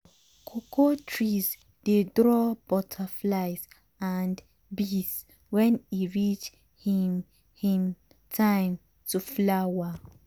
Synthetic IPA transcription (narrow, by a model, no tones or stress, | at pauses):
kʰokʰotʰɹiz | dedɹɔb̥ɔtʰaflaɪs | and | bis | wɛ̃niɹit͡ʃ | him | hĩm | tʰãɪ̃m | tʰuflawa